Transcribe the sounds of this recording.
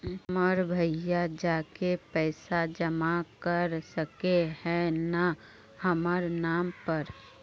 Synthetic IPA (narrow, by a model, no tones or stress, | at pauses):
məɾbʱəjad͡ʒaːkepɛɪsad͡ʒəmakəɾsəkehɛ̃na | həməɾnaːmpəɾ